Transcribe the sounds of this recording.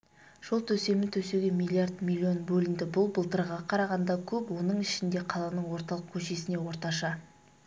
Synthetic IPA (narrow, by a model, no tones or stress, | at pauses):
ʒ̥o̞lˠt̪ʰɵse̞mɪnt̪ʰɵseɡʲe̞milʲˠːiard̪mʲilʲːio̞nbɵlɪnd̪ɪbʊlˠbəlˠt̪əɾʁɑqʰɑɾɑʁɑnd̪ɑkʲʰɵpwo̞nəɴɪʃɪnd̪e̞qʰɑlˠɑnəɴwo̞ɾt̪ɑlˠəq̚kʲʰɵʃe̞sɪne̞wo̞ɾt̪ɑʃɑ